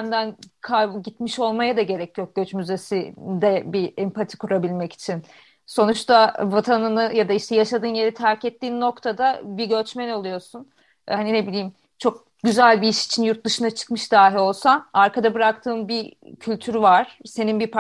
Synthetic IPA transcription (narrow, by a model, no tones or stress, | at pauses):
nd̪ænkʰabɟit̪miʃo̞lˠmajad̪aɟe̞ɾɛcʰːijo̞k̚ɟ̥øt͡ʃmyze̞sid̪ɛbiɛmpʰat̪ʰi̥kʰuɾabilʲmɛci̥t͡ʃʰin | so̞nut͡ʃt̪ʰavat̪ʰanɯnɯjad̪aiʃt̪ʰɛjaʃad̪ɯːnje̞ɾit̪ʰæɾcɛt̪ʰːiːnːo̞kt̪ʰad̪abiɟø̞t͡ʃmænolˠujo̞sun | hanine̞bilʲiːim | t͡ʃʰo̞k̚ | ɟyzælʲbiiʃi̥t͡ʃʰinjuɾt̪̚d̪ɯʃɯnat͡ʃʰɯ̥kmɯʃd̪aːɦio̞lˠsaaɾkʰad̪abɯɾak̚t̪ʰɯːmbi | cʰylʲt̪ʰyɾvaɾ̥se̞ninbip